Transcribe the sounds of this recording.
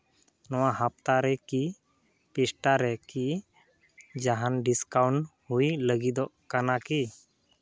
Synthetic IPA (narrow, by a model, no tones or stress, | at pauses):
nɔwahap̚t̪aɾɛki | pisʈaɾɛki | d͡ʒaɦanɖiskawɳhujləɡid̪ɔʔkanaki